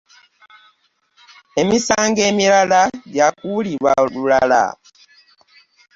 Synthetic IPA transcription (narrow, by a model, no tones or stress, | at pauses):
emisaŋɡɛmiɾaladjakuliβalulala̰